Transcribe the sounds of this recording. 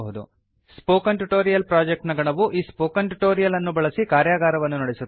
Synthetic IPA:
ɦud̪ṵ | spoːkɐnʈuʈoːɾijɐlpɾaːd͡ʒek̚ʈnɐɡɐɳɐʋuʔiːspoːkɐnʈuʈoːɾijɐlɐnːubɐɭɐsikaːɾjaːɡaːɾɐʋɐnːunɐɽisut̪ː

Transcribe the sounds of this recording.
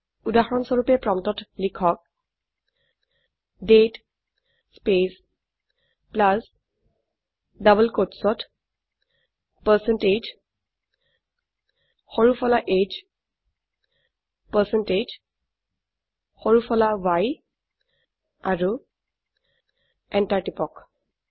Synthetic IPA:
udaxɔɹɔnsɔɹupɛpɹɔmtɔtlikʰɔk̚ | det | spes | plas | dabəlkotsɔt | pəsɛnted͡ʒ | hɔɹufʰɔlaʔed͡ʒ | pəsɛnʈed͡ʒ | hɔɹufʰɔlawaj | aɹu | ɛnʈaʈipɔk

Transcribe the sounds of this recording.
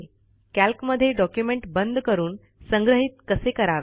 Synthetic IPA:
kælkməd̪ʱːjeɖɔkjumeɳʈbənd̪ʱkəɾuːn | səŋɡɾəɦit̪̚kəsekəɾaʋe

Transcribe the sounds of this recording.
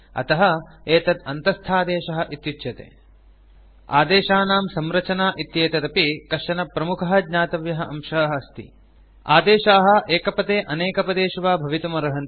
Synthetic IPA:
ɐ̰t̪ɐɦɐ̆eːt̪ɐd̪ɐnt̪ɐst̪ʰaːd̪eːʃɐɦɐ̆ʔit̪jut͡ʃ̪ːjɐt̪ḛː | a̰ːd̪eːʃaːnaːmsɐmɾɐt͡ʃɐnaːʔit̪jeːt̪ɐt̪ɐpikɐʂɐnɐpɾɐmukʰɐɦɐd̪ɲaːt̪ɐʋjɐɦɐʔɐ̰mʃɐɐɦɐɐst̪ḭ | a̰ːd̪eːʃaːɦɐ̆ʔeːkɐpɐt̪eːʔɐneːkɐpɐd̪eːʃuʋaːbʱɐʋit̪ɐmɐɾɐɦɐn

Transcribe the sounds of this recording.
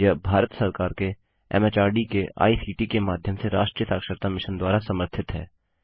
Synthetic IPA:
jəbʱaːɾət̪sɐɾkaːɾke | ɛ̰met͡ʃaːɾɖikea̰ːisiːʈikemaːd̪ʱjəmseɾaːʃʈɾijət̪aːkʃəɾt̪amɪʃənd̪waːɾasɐməɾt̪ʰɪt̪ɦɛ̰ː

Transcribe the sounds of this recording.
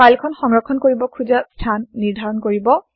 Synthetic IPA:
pajlkʰɔnxɔŋɹɔkʰːɔnkoɹibɔkʰuzastʰanːiɹdʱaɹɔnkoɹibɔ

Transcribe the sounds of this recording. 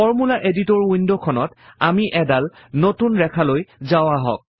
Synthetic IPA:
fɔɹmulaʔeditɔɹwindokʰɔnɔtamiʔɛdal | notunɹɛkʰalojzaʊaɦɔ̰k̚

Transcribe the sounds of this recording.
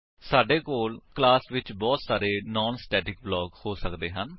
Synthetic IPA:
saːɖeːkoːlklaːsʋɪt͡ʃbɔːt̪saːɾeːnɔːnsʈɛːʈɪk̚blɔːɡhoːsəkd̪eːɦən

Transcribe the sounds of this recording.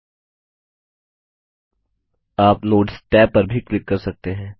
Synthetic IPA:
aːpnoːʈsʈɛːpːəɾbʱiklɪkːɐɾsɐk̚t̪eɦɛ̃ː

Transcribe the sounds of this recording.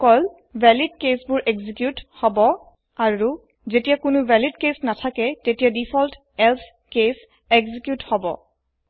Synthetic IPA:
kɔl | bʱɛlidkesbʊɹʔɛɡzikjuthɔbɔ | aɹu | zetijakʊnʊbʱɛlid̚kesnatʰakɛtetijadipʰɔlt | ɛlpʰ | kes | ɛɡzikjuthɔbɔ̰

